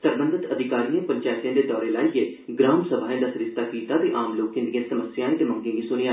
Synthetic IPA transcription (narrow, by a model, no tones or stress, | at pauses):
səɾbə̃nd̪ʱɪt̪əd̪ʱɪkaːɾiẽpəɲt͡ʃaːɪt̪jãd̪ed̪ɔːɾelaːije | ɡɾaːmsəbʱaːẽd̪asɾɪst̪akiːt̪abiʔaːmloːkɪ̃nd̪iẽsɐməsjaːẽt̪emə̃ŋɡẽːɡisʊnia